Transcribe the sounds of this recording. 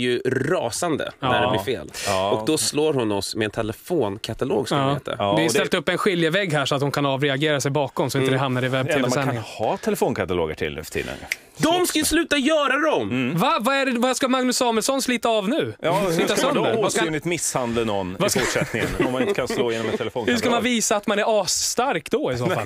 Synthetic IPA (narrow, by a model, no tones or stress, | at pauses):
jɵɾɑ̰ːsand̪ə̰æɖɛlɪɾfḛːlːɔkd̪ɔsloːɾhʊnɔsmɛɛnt̪ʰɛlɛfoːnkʰat̪alo̰ːɡsɔːeːt̪ːa̰d̪ɪjt̪ɛlt̪ɵpːɛnɧɪljəvɛɡɦæʂɔat̪hʊnkʰanɑːvɾɛaɡeːɾasɛjbɑːkɔmsɔɪnt̪əd̪ɛɦamnaɾɪvɛb̚t̪ʰeːmasɛnɪŋhɑːt̪ʰɛlɛfoːnkʰat̪alo̰ːɡə̰ʈʰɪ̰lɛ̰fə̥ʈʰḭːd̪ə̰n | d̪ɔmskajslʉ̟ːt̪ajœːɾad̪ɔmvavaæɖɛvaskamaŋnɵsɑːməlsɔnsliːt̪aːvnʉ̟ːjɑːliːt̪aœnd̪əɾvasɪt̪mɪshand̪lənɔnːvafʊʂɛt̪nɪŋə̰nɔmːanɪnt̪əkʰanloːjeːnɔmɛt̪ʰːɛlɛfoːhʉʂkamanviːsaːt̪manæɾɑːst̪aɾkd̪ɔɪsoːl